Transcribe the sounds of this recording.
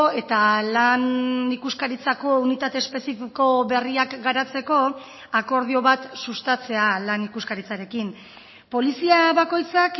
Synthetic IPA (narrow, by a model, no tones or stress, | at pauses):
e̞t̪alanikuskaɾit͡sako̞unit̪at̪e̞ːspe̞sifiko̞βe̞riakɡaɾat͡se̞ko̞ | ako̞ɾð̞io̞βat̪sust̪at͡se̞alanikuskaɾit͡saɾe̞kim | po̞lisiaβako̞jt͡sak